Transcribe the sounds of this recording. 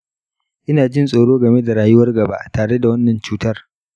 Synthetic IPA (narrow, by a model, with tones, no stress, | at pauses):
ʔɪ˦naː˨d͡ʒɪ˦nsʼoː˨ɽoː˦ɡɐ˨me˦da˨ɽaː˨jʊ˦wɐ˦rɡɐ˨ba̰ː˦ʔtaː˨ɽe˦da˨wɐ˦nːɐ˨nt͡ʃuː˦tɐ˦r